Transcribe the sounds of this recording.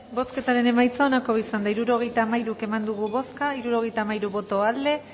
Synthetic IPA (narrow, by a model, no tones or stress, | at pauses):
bo̞ske̞t̪aɾe̞ne̞majt͡saonako̞βisand̪aiɾuɾo̞ɣ̞e̞jt̪aːmajɾuke̞mand̪uɣ̞uβo̞skaiɾuɾo̞ɣ̞e̞jt̪aːmajɾuβo̞t̪o̞ald̪e̞